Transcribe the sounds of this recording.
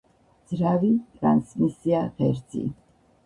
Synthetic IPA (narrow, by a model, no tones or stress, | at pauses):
d̪z̥ɾavit̪ʼɾa̰nsmisiaʁɛɾzʼḭn